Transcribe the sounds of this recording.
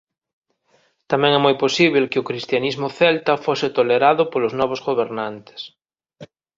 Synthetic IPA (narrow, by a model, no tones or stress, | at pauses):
t̪amɛ̃ŋɛmojposiβ̞elkeokɾist̪janizmʊθɛlt̪afosɪt̪oleɾaðʊpoloznɔβ̞ozɣoβeɾnãnt̪e̥s